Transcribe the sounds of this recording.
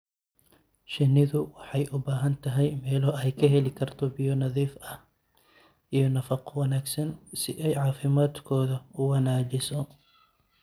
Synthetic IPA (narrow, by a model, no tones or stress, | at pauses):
ʃɪnːɪðʊwɑħɑjʔʊbaːɦɐnt̪ʰɐɦɛjmɛːlɔɛjkʰɐɦɛlɪkʰɐrt̪ʰɔbɪjɔnɐðiːfɐh | ijɞnɐfɑqɔwɑnaːɡsɐnsɪ̰ʔɛjʕɑːfɪmaːd̪kʰɔːðɐʊwɐnaːt͡ʃɪsɔ